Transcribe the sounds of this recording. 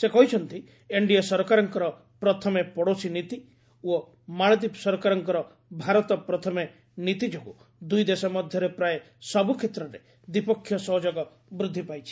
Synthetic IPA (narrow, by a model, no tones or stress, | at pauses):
sekɔɦit͡ʃʰɔnt̪i | eɳɖiɔsɔɾɔkaɾɔŋkɔɾɔ | pɾɔt̪ʰɔmepɔɽosinit̪i | o | maɭ̃ɔd̪isɔɾɔkaɾɔŋkɔɾɔ | bʱaɾɔt̪ɔpɾɔt̪ʰɔme | nit̪id͡ʒoku | d̪ujd̪esɔmɔd̪ʱjɔɾepɾae | sɔbukʰet̪ɾɔɾe | d̪ipɔkʰːjɔsɔɦd͡ʒoɡɔ | bɾud̪ʱːipajt͡ʃʰi̥